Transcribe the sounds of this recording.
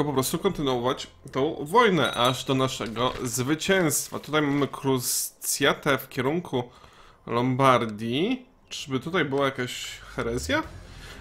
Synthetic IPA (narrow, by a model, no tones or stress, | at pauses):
ɔpɔpɾɔst̪ukɔnt̪ɘnuɔvat͡ɕ | t̪ɔ̃w̃vɔjnɛ̰ʔaʐd̪ɔnaʂɛɡɔ̰zvɘt͡ɕɛ̃w̃st̪fa̰t̪ut̪ajmamɘkʰɾust̪sʲjat̪ɛfkʲɛɾuŋkʰu | lɔmbaɾd̪ʲji | ʈ͡ʂbɘt̪ut̪ajbɘwajakaɕxɛɾɛzʲja